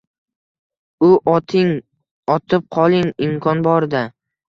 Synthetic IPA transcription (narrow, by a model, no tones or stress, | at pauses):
ʊʔt̪ʰɪŋ | ɒt̪ʰɪp̚qʰɒlˠɪŋɪmkʰɒnbɒɾd̪a